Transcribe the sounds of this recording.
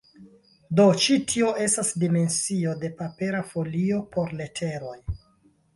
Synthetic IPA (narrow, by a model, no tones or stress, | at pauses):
do̞t͡ʃitʰio̞ʔe̞stasdime̞nsio̞de̞pape̞ɾafo̞lio̞po̞ɾle̞tʰe̞ɾo̞j